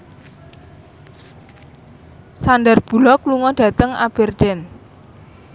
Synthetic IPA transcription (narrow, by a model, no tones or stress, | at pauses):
sandərb̥ṳlɔkluŋɔɖ̥ä̤t̪əŋa̰b̥ɛ̤rd̥ɛn